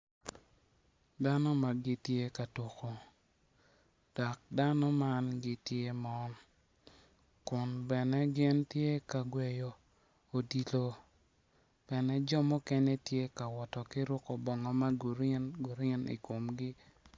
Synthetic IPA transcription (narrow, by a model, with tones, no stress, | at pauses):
da˦nɔ˦ma˨ɡɪ˦tje˦ka˨to˨ko˨ | d̥ɔ˨k̚da˦nɔ˦ma˦nɡɪ˦tje˦mɔ˦n | kʊ˨nbɛ˨nɛ˦ɡɪ˦ntje˦ka˨ɡwɛ˨jo˨ | o˨di˨lo˦ | b̥ɛ˨nɛ˦d͡ʒɔ˦mɔ˦kɛ˦ɲɛ˦tje˦ka˨wɔ˨tɔ˨kɪ˦ɾʊ˦kɔ˨bɔ˨ŋɔ˨ma˦ɡu˨ɾɪ˦nɡu˨ɾɪ˦nḭ˨ko˨mɡɪ˦